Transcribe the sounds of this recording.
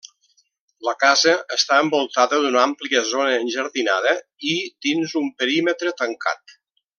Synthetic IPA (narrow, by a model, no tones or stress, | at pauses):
ləkazəəst̪aəmbolˠt̪aðəðunampliəzonəːnʲʒəɾðina̰ðə | id̪̥inzumpəɾimət̪ɾət̪əŋkʰa̰t̪